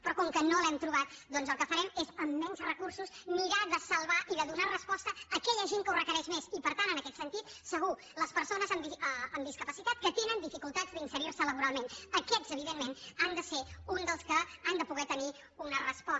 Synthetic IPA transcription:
pɾɔkɔŋkənolɛmt̪ɾuβat̪̚d̪ɔnzəlˠkəfəɾɛmezəmːɛnzrəkursusmiɾaðəsəlˠβaʔiðəðunarəspɔst̪əːkɛʎəʒeŋkəurəkəɾɛʃmezipəɾt̪anənəkɛt̪sənt̪it̪̚səɣu | ləspəɾsonəzəmd̪iəmd̪iskəpəsit̪at̪̚kət̪enənd̪ifikulˠt̪azðəinsəɾiɾsələβuɾalˠmenəkɛz̥əβ̞iðenːenand̪əseund̪əlˠskəand̪əpuɣɛt̪əni | unərəspɔ

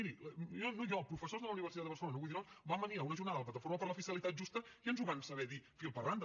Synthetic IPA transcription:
iɾiɔnojɔpɾufəsozðələuniβ̞ərsiad̪əərsəlonəujðiɾonsbambəniaunəʒurnaððələplət̪əfoɾməpəɾləfiskəlit̪at̪̚ʒust̪əkiənzuβansəβɛðifilˠpərand̪

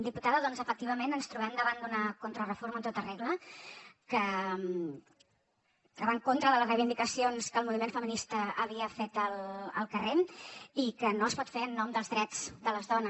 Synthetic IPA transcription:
d̪iput̪aðəðɔnzəfək̚t̪iβ̞əmenənst̪ɾuβɛmd̪əβand̪unəkont̪ɾərəfoɾmənt̪ot̪əreɣlə | kəm | kəβaŋkont̪ɾəðələzrəjβind̪ikəsionskəːlˠmuβimenfəminist̪əːβiəfet̪ələ̰lˠkəremikənoəspɔt̪feɾənːɔmd̪əlˠzðɾɛd͡zd̪ələzðɔnə

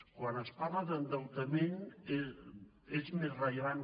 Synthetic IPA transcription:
kwanəsparləðənd̪əlˠt̪əmeɲe | ezmezrəʎəβan

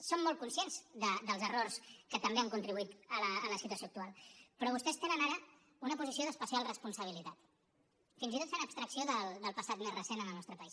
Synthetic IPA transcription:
somːɔlˠt̪̚kunsienzðəd̪əlˠzərorskət̪əmbeəŋkunt̪ɾiβuit̪ələːləsit̪uəsjoːkt̪ualˠpɾɔβust̪ɛst̪enənaɾə | unəpuzisioðəspəsialˠrəspunsəβ̞ilit̪at̪ | finzit̪ot̪senəpst̪ɾəksioðəld̪əlˠpəsat̪mezrəsenənəlnɔst̪ɾəpəis

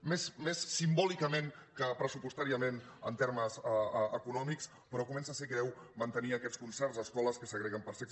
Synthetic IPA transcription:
mesmesːimbɔlikəmeŋkəpɾəsupust̪aɾiəmenə̰nt̪eɾməzəkunɔmiks | pəɾɔkumɛnsasekɾɛwmənt̪əniəkɛtskunsɛrzəskɔləskəsəɣɾɛɣəmpəɾsɛk

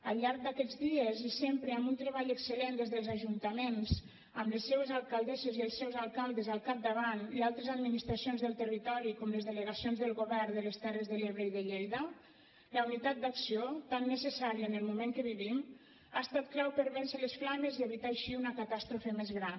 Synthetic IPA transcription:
əlˠʎːaɾk̚d̪akɛd͡zðiezisempɾəambunt̪ɾəβaʎəksəlend̪ezðəlˠzaʒunt̪əmenz | əmləsːewezalˠkalˠd̪ɛzeziəlˠsɛwzalˠkalˠd̪əzəlˠkap̚d̪əβanialˠt̪ɾəzad̪minist̪ɾasionzðəlˠt̪ərit̪ɔɾikɔmləzðələɣasionzðəlˠɣoβɛrd̪ələst̪ɛrəzðəleβɾəiðəʎejðə | ləunit̪at̪̚d̪aksiot̪anːəsəsaɾiəːnəlˠmumẽŋkəβiβim | ast̪at̪klawpəɾβɛnsələsflamezieβit̪aaʃiunəkat̪ast̪ɾufemezɣɾan

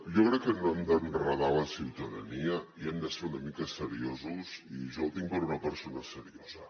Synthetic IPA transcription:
jɔkɾɛkːənoemd̪əmrəðaləsiwt̪əðə̰niəiɛmd̪əseɾunəmikəsəɾiozuziʒowt̪iŋpəɾunəpəɾsonəsəɾiozə

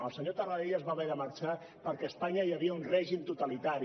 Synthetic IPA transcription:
ə̰lˠsəɲot̪araeʎəzβaβɛɾəməɾt͡ʃa | pəɾkɛːspaɲəjəβiəunrɛʒimt̪ut̪alit̪aɾi

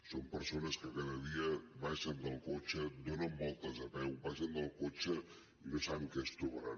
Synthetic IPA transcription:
sompəɾsonəskəkaðəðiəβaʃənd̪əlˠkot͡ʃəd̪onəmːolˠt̪əzəpɛwbaʃənd̪əlˠkot͡ʃə | inosaβəŋkɛst̪ɾuβəɾa̰

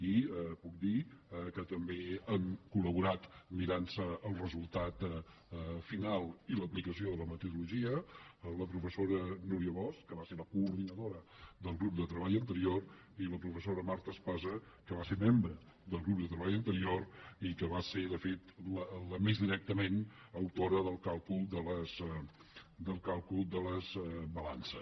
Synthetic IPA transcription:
iəpuk̚d̪ikət̪əmbeəŋkuləβuɾat̪miɾansəəlˠrəzulˠt̪at̪ | finalˠiləplikəsioðələmət̪uðuluʒiələpɾufəsoɾənuɾiəβɔskəβaseɾləkuːɾðinəðoɾəd̪əlˠɣɾup̚d̪ət̪ɾəβaʎənt̪əɾior | iləpɾufəsoɾəmaɾt̪əːspazəkəβaseɾmembɾə | d̪əlˠɣɾupb̚d̪ət̪ɾəβaʎənt̪əɾioɾikəβaseɾðəfet̪lələmezðiɾɛk̚t̪əmen | əwt̪oɾəðəlˠkalˠkulˠd̪ələz | d̪əlˠkalˠkulˠd̪ələzbəlansə

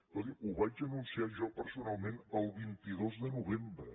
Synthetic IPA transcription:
oðiuβat͡ʃənunsiaɾʒɔpəɾsunalˠmẽnəlˠβint̪iðozðənuβembɾə

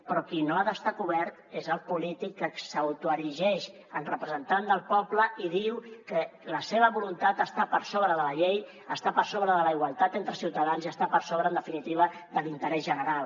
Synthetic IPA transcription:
pɾɔkinoaðəst̪akuβɛɾt̪ezəlˠpulit̪ikːəkssəwt̪uəɾiʒɛʃ | ənrəpɾəzənt̪and̪əlˠpɔpləiðiwkələseβ̞əβulunt̪at̪əst̪apəɾsoβɾəðələʎej | əst̪apəɾsoβɾəðələiɣwalˠt̪at̪ent̪ɾəsiwt̪əðanziəst̪apəɾsoβɾənd̪əfinit̪iβ̞əd̪əlint̪əɾɛzʒənəɾalˠ

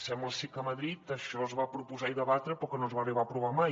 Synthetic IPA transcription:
sɛmbəlˠsikəməðɾit̪əʃɔzβapɾupuzaiðəβat̪ɾəpɾɔkənozβariβapɾuβamaj

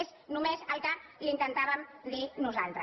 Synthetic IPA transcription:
znumezəlˠkalint̪ənt̪aβəmd̪inuza̰lˠt̪ɾə

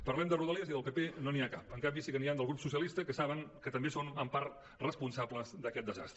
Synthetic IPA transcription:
pərlɛmd̪əruðəleəziðəlˠpepenoniakapəŋkambisikəniand̪əlˠɣɾupsusiəlist̪əkəsaβəŋkət̪əmbesonəmpaɾ | rəspunsabləzd̪əkɛt̪̚d̪əza̰st̪ɾə

